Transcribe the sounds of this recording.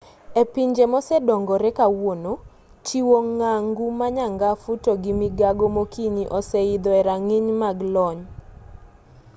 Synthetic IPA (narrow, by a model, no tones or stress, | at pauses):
epiɲd͡ʒemɔsɛdɔŋɡɔɾɛkawono | t͡ʃiwoŋaŋɡumaɲaŋɡafutoɡimiɡaɡomokiɲiʔɔsɛid̪ɔɛɾaŋiɲmaɡlɔɲ